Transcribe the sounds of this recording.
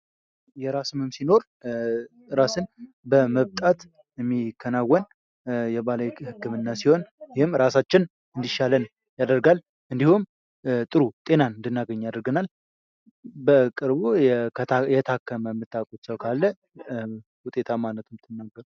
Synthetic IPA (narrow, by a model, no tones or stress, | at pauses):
jɛɾasɨmɨmsino̞ɾ | ɾasɨn | bəməβt̪ʼat̪ | ɛmːikʰːənawːən | jɛbalawhɨkːɨmɨnːasiho̞njɪhɨmɾasat͡ʃːɪn | ɨnd̪iʃalən | jad̪əɾɡal | ʔɨnd̪ihum | t̪ʼɨɾut̪ʼe̞naɨnd̪ɨnːaɡəɲːjad̪əɾɡənal | bəkʼɨɾbujʰjɛt̪ʰakːəməmːɨt̪ʰːakʼut̪səwkʰalːə | hʊt̪ʼe̞t̪ʰamanːət̪ʰɨmɨt̪ʰːɨnːaɡːəɾu